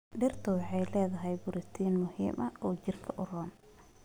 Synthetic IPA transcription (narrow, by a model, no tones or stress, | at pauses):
ɖɛrt̪ʰɐwɑħɑjlɛːðɐɦɛjbʊɾɪst̪ʰiːnmʊhḭːmʔɐɔːt͡ʃɪrkʰɐʔʊrɔːn